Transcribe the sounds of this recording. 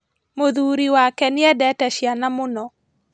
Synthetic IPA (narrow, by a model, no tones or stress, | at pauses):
moðuɾiwakɛnɪɛdɛtɛʃjanamonɔ